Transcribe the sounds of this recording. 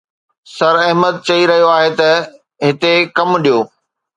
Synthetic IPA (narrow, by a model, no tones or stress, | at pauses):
sɐɾɐɦməd̪̚t͡ɕɐiɾɐɦijoaːɦet̪ɐ | ɦɪt̪ekɐmɗijoː